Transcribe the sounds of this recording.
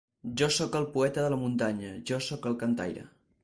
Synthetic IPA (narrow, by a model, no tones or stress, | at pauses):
ʒɔsɔkəlˠpuɛt̪əðələmunt̪aɲəʒɔsɔkəlˠkənt̪a̰jɾə̰